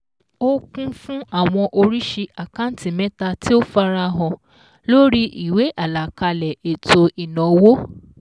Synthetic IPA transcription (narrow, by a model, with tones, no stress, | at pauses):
o˦kũ˦fũ˦a˦˨w̃ɔ̃˧ʔo˧ɾi˦ʃe˧ʔa˨ka˦n̩˦ti˨mɛ̃˦ta˧ti˦o˦fa˧ɾa˧ɦɔ̃˧ | lo˦ɾi˦ʔi˨we˨˦ʔa˦˨la˨ka˧lɛ˨e˨tʰo˧ʔi˨nɔ̃˨wo˦